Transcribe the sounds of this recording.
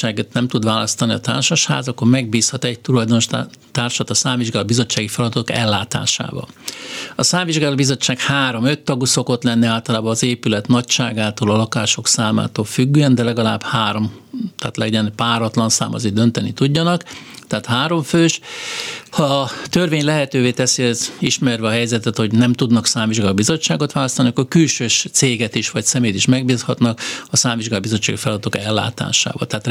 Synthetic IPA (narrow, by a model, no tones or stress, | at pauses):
aːɡet̪nɛmt̪ud̪ʋaːlɒst̪ɒniɒt̪a̰ːrʃɒʃha̰ːzɒkːormɛɡ̚biːshɒt̪ɛɟ̚t̪ulɒjd̪o̞no̞ʃt̪aːrʃɒt̪ɒsaːɱviʒɡaːlobizo̞t͡ʃːaːɡifɛlɒd̪ɒt̪okɛ̰lːaːt̪a̰ːʃa̰ːvɒ̰lɒsaːɱviʒɡaːlobizo̞t͡ʃːaːkhaːɾo̞mø̞t̪ːɒɡuso̞ko̞t̪lɛnːiaːlt̪ɒlaːbɒːzeːpylɛt̪nɒcʃaːɡaːt̪oːlɒlɒkaːʃo̞ksaːma̰ːt̪oːlfyɡːyːɛnd̪ɛlɛɡɒlaːbhaːɾo̞m | t̪aːt̪lɛɟɛnpaːɾɒt̪lɒnsa̰ːmɒ̰zid̪ø̞nt̪ɛnit̪uɟːɒnɒk | t̪ɛːt̪haːɾo̞ɱføːʃ | hɒt̪ørveːɲlɛɦɛt̪øːveːt̪ɛsiɛziʃmɛrvɛɒɦɛjzɛt̪ɛt̪ho̞ɟnɛmt̪ud̪nɒksaːɱviʒɡalbizo̞t͡ʃːaːɡo̞t̪ʋaːlɒst̪ɒniɒkːorkylʃøːʃt̪seːɡɛt̪iʃʋɒcsɛmeːt̪iʃmɛɡ̚biːshɒt̪nɒkɒsaːɱviʒɡaːbizo̞t͡ʃːa̰ːɡifɛlɒd̪ɔt̪okɛlːa̰ːt̪a̰ːʃa̰ːvɒ̰lt̪ɛaːt̪